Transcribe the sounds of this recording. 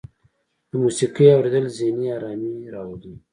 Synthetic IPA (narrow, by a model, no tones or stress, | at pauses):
d̪̥əmusiqijawɾed̪əlzeniaɾɑmiɾɑwad̪i